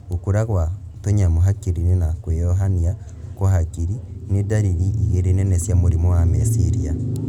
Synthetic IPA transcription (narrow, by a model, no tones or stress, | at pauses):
okuɾaɣwatoɲamoɦakiɾinenakwejɔɦania | kwaɦakiɾinedaɾiɾiʔiɣeɾenɛnɛsjamoɾimowamesiɾia